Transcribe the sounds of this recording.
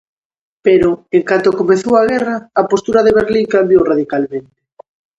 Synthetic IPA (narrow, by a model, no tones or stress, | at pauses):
peɾoeŋkant̪okomeθowaɣ̞ɛraːpost̪uɾaðeβeɾliŋkambjowraðikalmẽnt̪ɪ̥